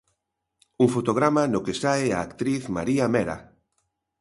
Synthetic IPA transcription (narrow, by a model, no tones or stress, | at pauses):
uŋfot̪oɣ̞ɾamanokesaeaːkt̪ɾiθma̰ɾiamɛɾa̰